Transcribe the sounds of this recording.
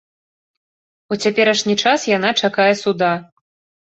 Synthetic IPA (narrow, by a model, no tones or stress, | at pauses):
ut͡sʲapʲɛɾɐʂnʲit͡ʂasjan̪at͡ʂakajɛsud̪a